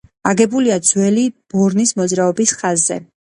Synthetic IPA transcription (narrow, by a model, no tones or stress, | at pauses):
aɡɛbuliad̪zwɛlib̥ɔɾnismɔd̪zɾaɔbisχazːɛ̰